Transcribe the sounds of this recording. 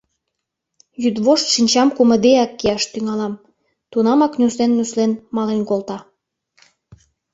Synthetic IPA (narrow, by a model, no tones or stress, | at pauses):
jyd̪βoʃt̪ʃinʲt͡ɕɑmkumə̆d̪eækːiɑʃt̪yŋɑlɑm | t̪unɑmɑknʲuslenːuslenmɑlenkolt̪ɑ